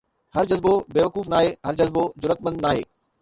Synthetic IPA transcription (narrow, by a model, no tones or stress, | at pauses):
hɐɾd͡ʑɐzbobeːʋɐkuːfnaːɦeːɦɐɾd͡ʑɐzbozʊɾət̪mə̃nd̪naːɦḛː